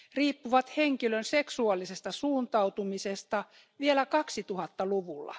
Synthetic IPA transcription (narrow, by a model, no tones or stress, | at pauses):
riːpːuʋɑt̪heŋkilønseksuɑlːˑisest̪ɑsuːnt̪ɑwt̪umisest̪ɑ | ʋielækɑksit̪uhɑt̪ːɑluʋulːɑ̰